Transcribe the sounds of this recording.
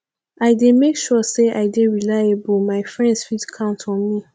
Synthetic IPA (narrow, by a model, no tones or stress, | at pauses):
aɪdemekʃɔseʔaɪdeɹilajebumaɪfɹɛ̃ndsfidkʰãʊ̃ntʰɔ̃nmi